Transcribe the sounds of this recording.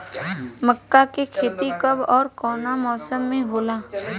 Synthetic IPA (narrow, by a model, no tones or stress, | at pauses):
məkːakekʰeːt̪ikəbɔːɾkɔːnamɔːsəmːẽɦoːlaː